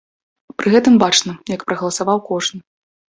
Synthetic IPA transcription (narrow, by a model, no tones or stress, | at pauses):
pɾʔɨɣɛt̪ɨmbat͡ʂnɐjɐkpɾɐɣɐlˠɐsavawkɔʐnɨ